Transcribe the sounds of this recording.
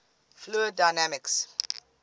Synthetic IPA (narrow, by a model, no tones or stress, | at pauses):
fluədaɪnæmɪks